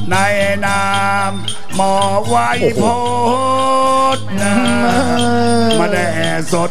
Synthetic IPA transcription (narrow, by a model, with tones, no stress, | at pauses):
na˧jnaː˧ | mː | ɔː˨˩wa˧jpʰoː˧˦ | t̪̚na˦ | ma˧nda˧˩jʔɛː˨˩so˦t̪̚